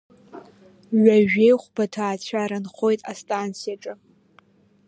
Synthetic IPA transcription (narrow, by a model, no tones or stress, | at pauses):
ɥaʒᶣe̞jχʷbatʰaːt͡ɕʷʰaːɾɨnχo̞jtʼa̰stʼant͡sʰijaʈ͡ʂʼɨ